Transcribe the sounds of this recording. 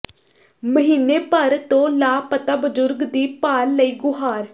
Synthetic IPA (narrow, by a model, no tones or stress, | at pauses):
məɦiːneːpəɾt̪õːlaːpət̪aːbəd͡ʒʊɾɡd̪iːpaːɾːəiːɡʊɦaːɾ